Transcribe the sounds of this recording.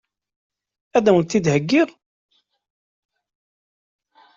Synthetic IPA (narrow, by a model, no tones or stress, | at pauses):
æðæwənt̪ːid̪həɡːiʁ